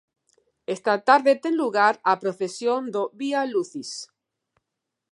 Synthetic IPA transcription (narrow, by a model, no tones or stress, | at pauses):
est̪at̪aɾðet̪enluɣaɾapɾoθesjond̪oβialuθis